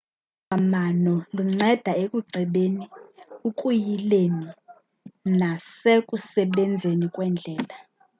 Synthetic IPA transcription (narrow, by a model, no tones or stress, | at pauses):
amanɔluŋ͡ǀɛd̥ʱaekʼuɡ͡ǀʱɛɓeniukʼujileni | nasekʼusɛɓɛnd͡zʱenikʼwɛnd͡ɮʱɛːla